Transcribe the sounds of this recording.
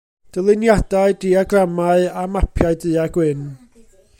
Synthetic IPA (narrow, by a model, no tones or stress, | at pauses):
d̥əlˠɨnjadaɨdiaɡramaɨamapʰjaɨdɨːaɡwɪn